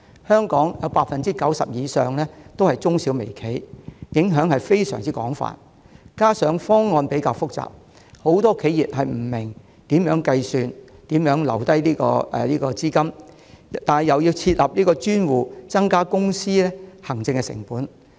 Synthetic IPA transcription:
hœː˥ŋkɔː˨˥ŋjɐ˨˧wpaː˧t̚fɐ˨nt͡siː˥kɐ˨˥wsɐ̰˨p̚jiː˨˧sœː˨ŋlɛː˥t̪o˥whɐ˨jt͡sʊ˥ŋsi˨˥wme˨˩jkʰe˨˥jjɪ˨˥ŋɦœː˨˥ŋhɐ˨jfe˥jsœ̰ː˨˩ŋt͡siː˥kɔː˨˥ŋfa̰ː˨t̚ | kaː˥sœː˨˥ŋfɔː˥ŋːɔː˧npe˨˥jkaː˧wfʊ˥k̚t͡sa̰ː˨p̚ | ho˨˥wt̪ɔː˥kʰe˨˥jiː˨p̚hɐ˨jm̩˨˩mɪ˨˩ŋ | t̪iː˨˥mjœː˨˥ŋkɐ˧jsyː˨˧nt̪iː˨˥mjœː˨˥ŋlɐ̰˨˩wt̪ɐ˥jliː˥kɔ̰ː˧ɛ̰˨liː˥kɔː˧t͡siː˥kɐ˥m | t̪aː˨nhɐ˨jɐ˨˩wji˧wt͡sʰiː˧t̚lɐ˨˩p̚liː˥kɔː˧t͡ʃyː˥nwuː˨˩t͡sɐ˥ŋkaː˥kʊ˥ŋsiː˥lɛː˥hɐ˨˩ŋt͡sɪ˧ŋkɛ˧sɪ̰˨˩ŋpuː˨˥n

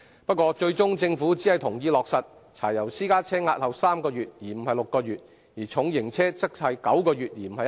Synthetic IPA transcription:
pɐ˥t̚kʷɔː˧t͡ʃɵ˧ɥt͡sʊ˥ŋt͡sɪ˧ŋfu˨˥t͡siː˨˥hɐ˨jt̪ʰʊ˨˩ŋjiː˧lɔː˨k̚sɐ˨t̚ | t͡sʰaː˨˩jɐ˨˩wsiː˥kaː˥t͡sʰɛː˥ŋaː˧t̚hɐ˨wsaː˥mkɔː˧ɥyː˨t̚jiː˨˩m̩˨˩ɦɐ˨jlʊ˨kːɔː˧jyː˨˩t̚ | jiː˨˩t͡sʰʊ˨˥ŋjɪ˨˩ŋt͡sʰɛː˥t͡sɐ˥k̚sʰɐː˨˧jkɐ˨˥wkɔː˧ɥyː˨t̚jiː˨˩m̩˨˩hɐ˨j

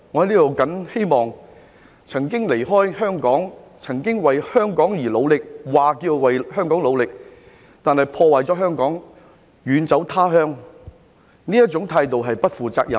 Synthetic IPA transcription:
ŋɔː˧ɐ˨˧jliː˥t̪o˨˩wkɐ˨˥nhe˥jmɔː˨ŋ | t͡sʰɐ˨˩ŋkɪ˥ŋle˨˩jɦɔː˥jhœː˥ŋkɔː˨˥ŋt͡sʰɐ˨˩ŋkɪ˥ŋwɐ˨jhœː˥ŋkɔː˨˥ŋjiː˨˩lo˨˧wlɪ˨k̚waː˨˩kiː˧wwɐ˨jhœː˥ŋkɔː˨˥ŋlo˨˧wlɪ˨k̚ | t̪aː˨nhɐ˨jpʰɔː˧waː˨˩jt͡sɔː˨˥ɦœː˥ŋkɔː˨˥ŋ | jyː˨˧nt͡sɐ˨˥wt̪ʰaː˥ɦœː˥ŋ | niː˥jɐ˥t̚t͡sʊ˨˥ŋt̪ʰaː˧jt̪o˨wɦɐ˨jpɐ˥t̚fuː˨t͡sa̰ː˧k̚jɐ̰˨˩

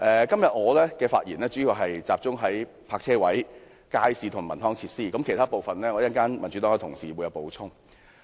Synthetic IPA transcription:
ʔɛː˨˧kɐ˥mjɐ˨t̚ŋɔː˨˧lɛː˥kɛː˧faː˧t̚jḭː˨˩nlɛː˥t͡ʃyː˨˥ji˨˩ɦɐ˨jt͡saː˨p̚t͡sʊ˥ŋɦɐ˨˥j | pʰaː˧k̚t͡sʰɛː˥wɐ˨˥j | kaː˥jsiː˨˧t̪ʰʊ˨˩ŋmɐ˨˩nɔː˥ŋt͡sʰiː˧t̚siː˥kɐ˨˥mkʰe˨˩jt̪ʰaː˥po˨wfɐ˨nlɛː˥ŋɔ˨˧˥jɐ˥nkaː˥nmɐ˨˩nt͡ʃy˨˥t̪ɔː˨˥ŋɔ˨˧˩t̪ʰʊ˨˩ŋsḭː˨˩wu˨˧jɐ˨˧wpo˨˧wt͡sʰʊ˥ŋ

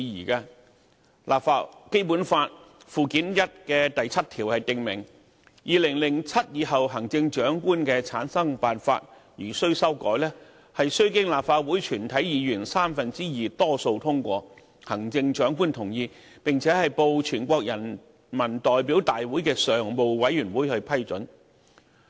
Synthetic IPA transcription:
i˧jiː˨˩kaː˧ | lʔaː˨˩p̚faː˧t̚ke˥jpuː˨˥nfaː˧t̚ | fuː˨˧kiː˨˥njɐ˥t̚kɛː˧t̪ɐ˨jt͡sʰɐ˥t̚t̪ʰiː˨˩whɐ˨jt̪ɪ˨ŋmɪ˨˩ŋ | jʔiː˨lɪ˨˩ŋlɪ˨˩ŋt͡sʰɐ˥t̚jiː˨˧hɐ˨wɦɐ˨˩ŋt͡sɪ˧ŋt͡ʃœː˨˥ŋkuː˥nkɛː˧t͡sʰaː˨˥nsɐ˥ŋpaː˨nfa̰ː˧t̚ | jyː˨˩sɵ˥ɥsɐ˥wkɔ̰ː˨˥jlɛː˥ | hɐ˨jsɵ˥ɥkɪ˥ŋlaː˨˩p̚faː˧wuː˨˥jt͡ʃʰyː˨˩nt̪ʰɐ˨˥jjiː˨˧jyː˨˩nsaː˥mfɐ˨nt͡siː˥jiː˨t̪ɔː˥so˧wt̪ʰʊ˥ŋkʷɔː˧ | hɐ˨˩ŋt͡sɪ˧ŋt͡ʃœː˨˥ŋkuː˥nt̪ʰʊ˨˩ŋjiː˧ | pɪ˨ŋt͡sʰɛː˨˥hɐ˨jpo˧wt͡ʃʰyː˨˩nkʷɔː˧k̚jɐ˨˩n | mɐ˨˩nt̪ɔː˨jpiː˨˥wt̪aː˨jwuː˨˥jkɛː˧sœː˨ŋmo˨˧wwɐ˨˥jyː˨˩nwuː˨˥jhɵ˧ɥpʰɐ˥jt͡ʃɵ˨˥n

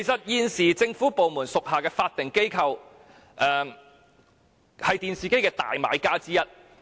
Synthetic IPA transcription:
kʰe˨˩jsɐ˨t̚jiː˧nsiː˨˩t͡sɪ˧ŋfuː˨˥po˨wmuː˨˩nsʊ˨k̚haː˨kɛː˧faː˧t̚t̪ɪ˨ŋke˥jkʰɐ˧w | ʔɛː˨ | hɐ˨jt̪iː˨nsiː˨ke˥jkɛː˧t̪a̰ː˨jma̰ː˨˧jkaː˥t͡siː˥jɐ˥t̚

